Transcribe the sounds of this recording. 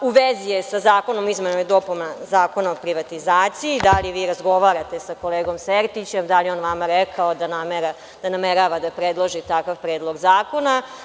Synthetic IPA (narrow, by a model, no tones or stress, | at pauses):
uʋezijesazaːko̞no̞mizmenojd̪o̞punazaːko̞naopɾiʋat̪izaːt̪siid̪aliʋiːɾazɡo̞ʋaːɾat̪e̞sako̞leːɡo̞mseɾt̪it͡ɕemd̪aljeonʋamaɾekʰaod̪anameɾa | d̪anameɾaːʋad̪apɾed̪lˠoʒit̪akaʋpɾeːd̪lˠo̞ɡzaːko̞na